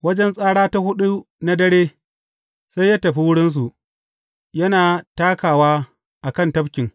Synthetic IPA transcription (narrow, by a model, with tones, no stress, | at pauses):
wɐ˦d͡ʒɛ˦nsʼaː˦ɽaː˦ta˦hʊ˦ɗu˦ | na˦dɐ˦ɽeː˦ | sa˦jaː˦tɐ˨ɸi˦wʊ˦ɽɪ˦ns̬u˨ | jɐ˦naː˨taː˦kaː˨waː˦ | ʔa˨kɐ˦˨ntɐ˦bkʲɪ˨ŋ